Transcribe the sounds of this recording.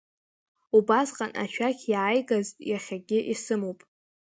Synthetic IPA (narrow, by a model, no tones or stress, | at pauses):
ubasqʼanʔa̰ʃᶣakʲʰjaːjɡaztʼjaχʲaɡʲɪʔisɨmowpʼ